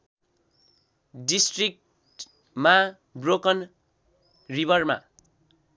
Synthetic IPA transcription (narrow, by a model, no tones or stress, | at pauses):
ɖisʈrik̚ | ʈ | ma | brokʌn | ribʌrma̰